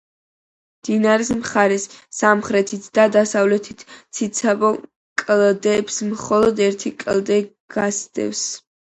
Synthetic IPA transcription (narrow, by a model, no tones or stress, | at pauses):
d̪̥inaɾismχaɾɛsːamχɾɛt̪ʰit̪ʰd̪ad̪asavlɛt̪ʰit̪ʰt̪sʰit̪sʰabɔ | kʼld̪ɛpsmχɔlˠɔd̪ɛɾt̪ʰikʼld̪ɛ | ɡ̥asd̪ʼɛ̰fs